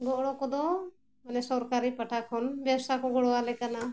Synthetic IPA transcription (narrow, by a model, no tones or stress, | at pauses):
ɡɔʔɽɔkɔd̪ɔ | manɛsɔɾkaɾipaʈʰakʰɔnbjast̪akɔɡɔɽɔwalɛkana